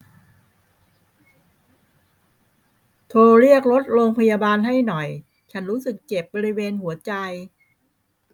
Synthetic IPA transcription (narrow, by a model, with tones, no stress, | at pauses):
t̪ʰoː˧ɾi˥˩ək̚ɾo˦˥t̪̚ɾoː˧ŋpʰa˧jaː˧baː˧nɦa˥˩jnɔ˨˩j | t͡ɕʰa˦˥nɾuː˦˥sɯ˨˩kːt͡ɕe˨˩p̚bɔː˧ɾi˦˥weː˧nhu˨˩˦ɐt͡ɕa˧j